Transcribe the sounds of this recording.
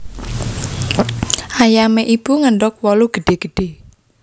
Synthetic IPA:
ʔajameʔib̥uŋəɳɖɔk̚wɔluɡ̥əɖ̪̥e̤ɡ̥əɖ̥e

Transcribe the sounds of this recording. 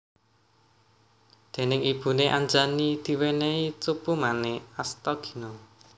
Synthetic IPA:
d̪̥e̤nɪŋib̥ṳneʔaɲd͡ʒanid̪̥i̤weneit͡supumaneast̪ɔɡ̥i̤nɔ

